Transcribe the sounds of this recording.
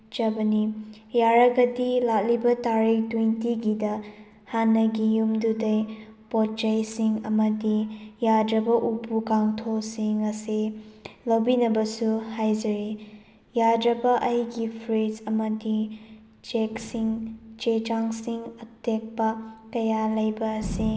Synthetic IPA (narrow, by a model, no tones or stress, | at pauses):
t͡ʃɐbɐni | jaɾɐɡɐdilak̚libɐtaɾiktwintiɡidɐ | hanːɐɡijumdudɐjpɔt͡ʃɐjsiŋɐmɐdijadɾɐbɐʔupukaŋtʰosiŋɐsilɐwbinɐbɐsuhajd͡ʒɐɾi | jadɾɐbɐʔɐjɡipʰɾid͡ʒɐmɐdi | t͡ʃeksiŋt͡ʃet͡ʃaŋsiŋɐtek̚pɐkɐjalɐjbɐːsi